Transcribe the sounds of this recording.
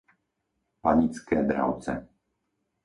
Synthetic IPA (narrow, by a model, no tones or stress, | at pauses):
paɲit͡skɛːd̪ɾa̰ʊt͡sɛ̰